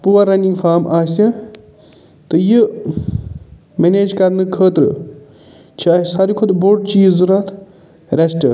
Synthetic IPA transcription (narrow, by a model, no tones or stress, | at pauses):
puʋɐɾɐniŋɡfʰaːmʔaːsɐ | t̪ɨji | meneːd͡ʒkɐɾnɨkʰəːt̪ɾɨ̰ | t͡ʃʰiɐsɐɾikʰod̪boɖ̚t͡ʃiːzuɾɐt̪ʰ | ɾɐsʈɨ̰